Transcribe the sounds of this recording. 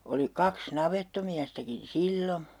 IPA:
oli kɑks nɑʋetːomiæstækin̞ silːo

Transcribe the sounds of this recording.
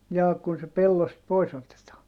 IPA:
jɑː kun se pelːost pois otetɑː

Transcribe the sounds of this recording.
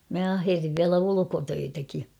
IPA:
mæ ɑherːiʋ ʋiælæ ulukotøitæki

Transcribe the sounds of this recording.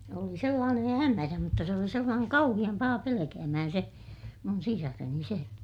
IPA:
oli selːɑːnen hæmæræ mutːɑ se oli selːɑːneŋ kɑuhij̆ɑm pɑhɑ pelekæːmæhæn se mun sisɑreni se

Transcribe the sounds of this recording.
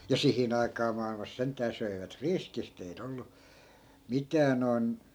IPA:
jɑ sihin ɑikɑː mɑilmɑs sentˑæː søiʋæt riskist eit olːu mitæː noi̯n

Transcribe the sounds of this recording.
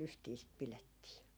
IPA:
lystiː sit piletːiː

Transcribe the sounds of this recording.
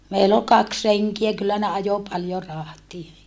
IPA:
meilː ol kɑks reŋkiæ kylːæ ne ɑjo pɑljo rɑhtie

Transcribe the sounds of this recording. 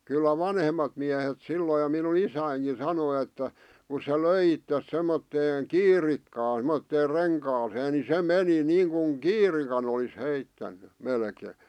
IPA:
kylːæ ʋɑnhemːɑt miæhet silːoi j̆ŏ minun isæiŋki sɑnoĭ etːæ ku se løi itːes semːotːeːŋ̆ kiːrikːɑːn̞ semotːeːr reŋkɑːseː ni se meni niːŋkuŋ kiːrikɑn olis heitːænːy melkeː

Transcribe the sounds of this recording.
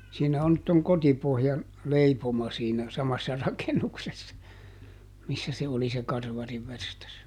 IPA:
siːnæ on nyt toŋ kotipohjɑn leipomɑ siːnæ sɑmɑsːɑ rɑkenuksesːɑ misːæ se oli se kɑrʋɑriʋːerstɑs

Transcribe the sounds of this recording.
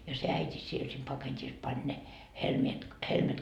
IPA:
jɑ se æitʲi siel sem pɑketʲis pɑnʲ ne helmiet helmet

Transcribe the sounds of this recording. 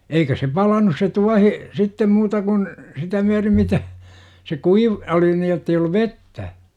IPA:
eikæ se pɑlɑnus se tuɑhi sitːem muːtɑ kun sitæ myærim mitæ se kuiʋ oli ni jotːei olːu ʋetːæ

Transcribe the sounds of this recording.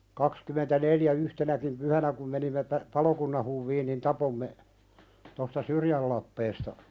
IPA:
kɑkskymentæneljæ yhtenækim pyhænæ kum menimːe pæ pɑlokunːɑn huʋːiːn nin tɑpomːe tostɑ syrjæl lɑpːeːstɑ

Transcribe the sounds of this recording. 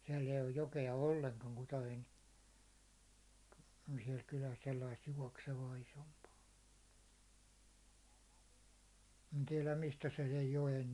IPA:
siɛlː eij oj jokeɑ olːeŋkɑŋ kutɑjoen siɛl kylæs selːɑist juɒkseʋɑː isompɑː en tiɛlæm mistæ se sej joen

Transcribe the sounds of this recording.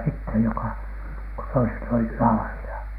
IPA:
sitːej jokɑ ko toiset olih lɑːrilɑ

